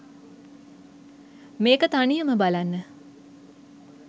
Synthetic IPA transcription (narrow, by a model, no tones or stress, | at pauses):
meːkət̪anijəməbalanːə